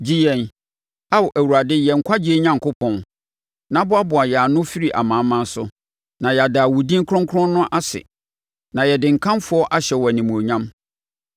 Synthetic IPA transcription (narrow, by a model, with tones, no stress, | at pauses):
d͡ʑi˦jɛ̃˨n | a˦wʊ˨ʔæ˨wu˨ɾa˨dɪ˦jɛ˨ŋ̩˨kʷʰa˦d͡ʑi˦e˦ɲã˦ŋ̩˨kʊ˦pʰɔ̃˦n | nã˨˦bʊ˦a˦bʊ˨a˨jɛ˨a˨nʊ̃˦fi˦ɾi˨ʔa̰˨mã˨˦mã˦n˦sʊ˦ | nã˨jɛ˨a˨daː˨wʊ˨dĩ˦ŋ̩˦kʰɾɔ̃˦ŋkʰɔ̃˦nː˦ʊ̃˦ʔa˦sɪ̰˨ | nã˨jɛ˨dɪ̃˨ŋ̩˨kʰã˦mfʊ˦ɔ˦ʔa˦ɕɛ˨wɔ˨æ˨nĩ˨mũ˨o˨ɲã˦m